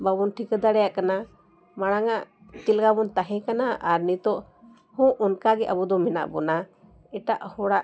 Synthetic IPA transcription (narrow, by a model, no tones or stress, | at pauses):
babɔnʈʰikəd̪aɽɛjaʔkana | maɽ̃aŋaʔ | t̪ilɡabɔnt̪aɦɛ̃kanaaɾnit̪ɔʔ | hɔ̃ʔɔnkaɡɛʔabɔd̪ɔmɛna̰ʔbɔna | ɛʈaʔhɔɽaʔ